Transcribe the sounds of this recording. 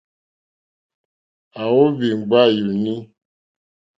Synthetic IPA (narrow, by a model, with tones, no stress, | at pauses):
a˨wo˦vi˨ŋ˨ɡ͡ba˦˨ju˨nĩ˦